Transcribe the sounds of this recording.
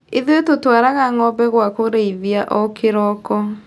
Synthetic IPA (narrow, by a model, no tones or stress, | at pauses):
eðwetotwaɾaɣaŋɔbɛɣwakoɾeiðiaʔɔkʰeɾɔkɔ